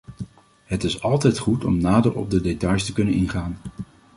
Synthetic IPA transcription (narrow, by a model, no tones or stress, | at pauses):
ɦətɪsɑlˠtɛjtχutɔ̰mnaːdəɹɔ̰b̚dədetɑjstəkɵnənɪnχaːn